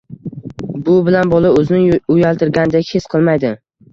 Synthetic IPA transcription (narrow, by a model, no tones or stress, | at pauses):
bʊbɪlanbɒlˠaɵzɪnɪʊjalˠt̪ʰɪɾɡʲand̪akʲʰesqʰɨlˠmajd̪ɪ